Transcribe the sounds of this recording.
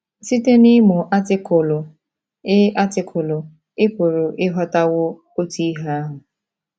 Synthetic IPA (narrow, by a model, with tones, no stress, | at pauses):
si˦te˦ni˦mʊ˨ʔa˦tɪ˦kʊ˨lʊ˨ | ɪ˦ʔa˦tɪ˨kʰʊ˨lʊ˨ | ɪ˦kʷo˨ɾo˨ʔɪ˦ɦɔ˦ta˦wʊ˦ | o˦ti˦ɦa˦a˦ɦʊ˨